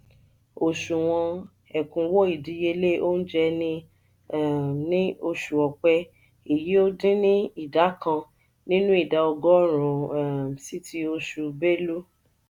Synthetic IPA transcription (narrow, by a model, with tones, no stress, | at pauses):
o˨ʃu˨w̃ɔ̃˧ | ɛ˨kũ˨˦wɔ˦i˦˨dĩ˧˦je˧le˦o˦n̩˦d͡ʒɛ˧nĩ˧˦˨ | nĩ˦o˧ʃu˨ɔ˨k͡pɛ˧ | i˨ji˨˦o˦dĩ˦nĩ˦i˦˨da˨˦kã˧ | nĩ˦nũ˦i˦˨da˧ɔ˧ɡɔ˦ɾũ˨si˦tʰi˧˦o˧ʃu˨be˦lu˦